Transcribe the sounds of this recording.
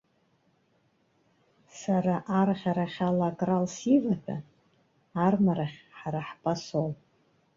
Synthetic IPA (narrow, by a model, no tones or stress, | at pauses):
saɾaʔaraχʲaɾaχʲalakʼralsivatʰa̰ | armaɾaχʲħaɾaħpʼasol